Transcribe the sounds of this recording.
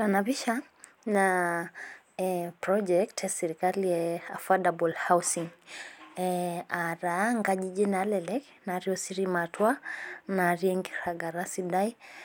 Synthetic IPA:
tanaβiʃa | na | pɾɔd͡ʒɛktasɛɾikaliɛafadabɔlhawsiŋ | aɾaaŋɡaʄid͡ʒinalɛlɛk | naɾiɔsiɾimatwanaɾiɛŋɡiɾaɡaɾasidai

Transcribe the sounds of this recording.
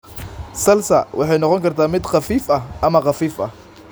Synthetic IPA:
sɐlsɐ̰wɑħɑjnɔqɔŋkʰɐrt̪ʰaːmɪd̪qɑfiːfɐɦʔɐmɐqɑfiːfɐ̰h

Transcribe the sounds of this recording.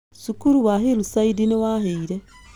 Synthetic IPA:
sukuɾuwaɦilusaidiniwahiːɾe

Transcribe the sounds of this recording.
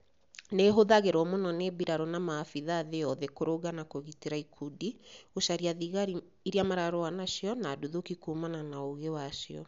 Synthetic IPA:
neɦoðaɣeɾɔmonɔnebiɾaɾɔnamafiðaːðejɔðɛkoɾoɣanakoɣiteɾaikʰudioʃaɾiaðiɣaɾi | iɾiamaɾaɾɔanaʃiɔnaduðokikumananaoɣewaʃiɔ̰

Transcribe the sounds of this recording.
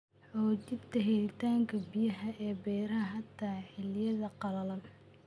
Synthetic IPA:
ʕɔːt͡ʃɪdt̪ʰɐɦɛlɪt̪ʰaːŋkʰɐbijɐɦɐʔɛːbɛːɾɐɦɐɦɐt̪ʰːaːħɪljɐðɐqɑlɐlɐl

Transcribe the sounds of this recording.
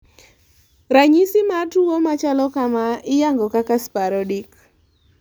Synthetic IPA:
ɾaɲisɪmatuomat͡ʃalɔkamaɪjaŋɡɔkakaspaɾɔdik

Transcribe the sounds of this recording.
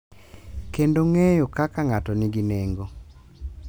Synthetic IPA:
kendoŋejokakaŋatoniɡineŋɡo

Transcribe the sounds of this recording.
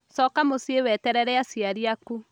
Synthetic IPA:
sɔkamosiewɛtɛɾɛɾɛasiaɾiaku

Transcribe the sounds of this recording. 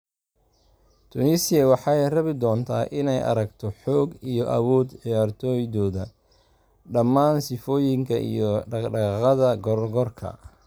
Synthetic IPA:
t̪ʰʊnisɪjɐwɑħɑjrɐβɪd̪ɔːnt̪ʰaːʔɪnɛjʔɐ̰ɾɐɡt̪ʰɔħɔːɡijɔʔɐ̰wɔːd̪ʕɪjaːrt̪ʰɔːjðɔːðɐ | ɖɐmːaːnsɪfɔːjɪŋkʰɐʔḭjɔɖɑqɑðɐɡɔɾɡɔrkʰɐ̰

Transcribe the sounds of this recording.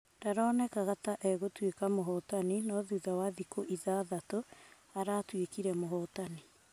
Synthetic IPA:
daɾɔːnɛkaɣataʔɛɣotwekamoɦɔtaninɔðuðawaðikoʔiðaðato | aɾaːtwekiɾɛmoɦɔtani

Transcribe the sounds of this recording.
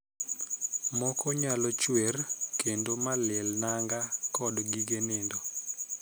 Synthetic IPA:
mɔkɔɲalɔt͡ʃwerkendomalɛlnaŋɡakɔdɡiɡenendo

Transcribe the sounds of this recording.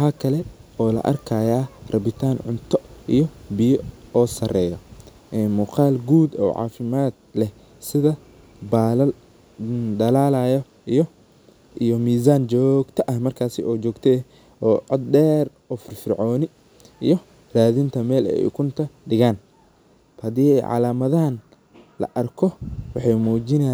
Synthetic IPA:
ħaːkʰɐlɛɔːlɐ̰ʔɐ̰rkʰaːjaːrɐβɪt̪ʰaːnʕʊ̰nt̪ʰɔʔḭjɔbɪjɔɔːsɐrɛːjɔ | ʔɛnmuːqaːlɡuːd̪ɔ̰ːʕɑ̰ːfɪmaːd̪̚lɛh | sɪðɐ | baːlɐl | d̪ɐlaːlajɔ | ijɔ | ʔijɔmiːz̬aːnt͡ʃɔːɡt̪ʰɐʔɐhmɐrkʰaːsɪɔːt͡ʃɔːɡt̪ʰɛ | ɔːʕɔd̪̚ɖɛːr | ɔːfɪrfɪrʕɔːnɪ | ḭjɔ | raːðɪnt̪ʰɐmɛːlɛ̰ɛ̰jkʰʊnt̪ʰɐɖɪɣaːn | hɐðiːɛʕɑ̰laːmɐðɐɦɐn | lɐ̰ʔɐrkʰɔwɑħɑjmuːt͡ʃɪnɛ

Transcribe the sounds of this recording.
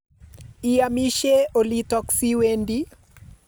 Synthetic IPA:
iamiʃɛɔlitɔksiwɛndi

